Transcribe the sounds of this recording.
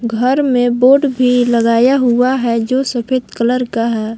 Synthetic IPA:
ɡʱəɾmẽboːɖbʱiləɡaːjaɦʊaɦɛd͡ʒoːsəpʰɪt̪kələɾkaɦɛː

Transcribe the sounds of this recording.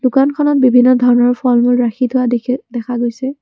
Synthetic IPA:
d̥ʊkankʰɔnɔt̚bibʱinːɔdʱɔɹɔnɔɹpʰɔlmʊlɹaxitʰʊaddɛkʰaɡojsɛ

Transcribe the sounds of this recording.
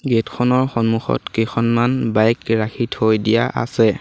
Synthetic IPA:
ɡetkʰɔnɔɹxɔnmuxɔ̰tkexʰɔnmanbajkɹaxʰithojdija̰ʔa̰sɛ

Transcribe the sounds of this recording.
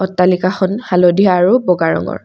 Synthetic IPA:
ɔtːalikaxɔnhalɔdijaːɹubɔɡaɹɔ̰ŋɔ̰ɹ

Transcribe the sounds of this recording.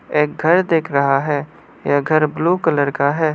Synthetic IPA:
eːk̚ɡʱɐɾd̪eːkʰɾɐɦaɦɛː | jaɡʱɐɾbloːkələɾkaɦɛː

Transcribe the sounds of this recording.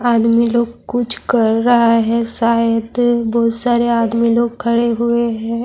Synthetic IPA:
aːd̪miloːɡkʊt͡ʃʰkɐɾːɐɦaɦɛʃaːjəd̪bɔːt̪saːɾeaːd̪miloːɡ̚kʰɐɽeɦʊeɦɛ̃ː

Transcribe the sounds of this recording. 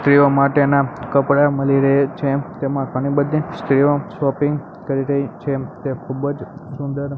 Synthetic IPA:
st̪ɾiomaʈenakəpɽaməliɾeet͡ʃʰet̪emãɡəɽ̃ibəd̪ist̪ɾiosʋɔpĩŋɡ | kəɾiɾəjt͡ʃʰet̪ekʰubəd͡ʒsund̪əɾ

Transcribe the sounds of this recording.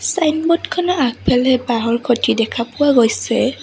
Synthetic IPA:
sajnbɔtkʰɔnɔak̚pʰɛlɛbaɦɔɹkʰotidɛkʰapʊwaɡojsɛ

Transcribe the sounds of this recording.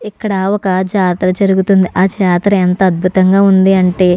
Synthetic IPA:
ikːɐɽɐwɔkɐd͡ʒaːt̪ɾɐd͡ʒɐɾuɡut̪und̪iʔaːd͡ʒaːt̪ɾɐent̪ɐːd̪̚bʱut̪ɐŋɡaːund̪iɐɳʈe̞ː

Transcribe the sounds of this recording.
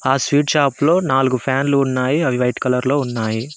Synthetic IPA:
aːsʋiːʈʃaːplo̞ːnaːluɡupʰaːnluːnːaːjiɐʋiʋɐjʈkɐlɐɾlo̞ːunːaːji

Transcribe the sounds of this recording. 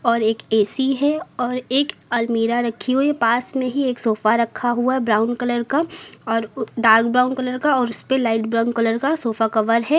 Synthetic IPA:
ɔːɾeːkeːsiɦɛɔːɾeːkɐlmiːɾaɾɐkʰːiɦoipaːsmẽɦieːksoːfaɾɐkʰaɦuaɦɛbɾaːʊnkɐləɾkaɔːɾɖaːɾk̚bɾaːʊnkɐləɾkaɔːɾʊspelaːɪʈbɾaːʊnkɐləɾkasoːfakɐʋəɾɦɛː

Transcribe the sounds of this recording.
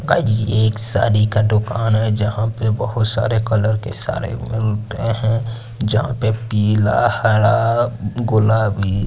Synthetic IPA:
ad͡ʒieːksa̰ːɾikaɖʊkaːnɦɛd͡ʒɐɦãpebəɦʊt̪sa̰ːɾekələɾkḛsa̰ːɾḛmɪlteɦɛ̃ | d͡ʒɐɦã̰pepiːlahəɽaɡʊlaːbi

